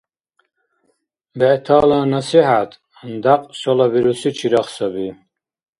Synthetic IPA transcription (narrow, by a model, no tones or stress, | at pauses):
bɛʔt̪ʰaːlanasiħat̪ʰ | nd̪aqʼsɔlaviɾusit͡ʃʰiɾaχsabi